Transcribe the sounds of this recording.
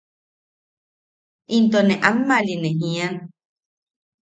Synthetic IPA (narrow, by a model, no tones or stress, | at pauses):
ʔint̪onẽʔamːalineɦĩan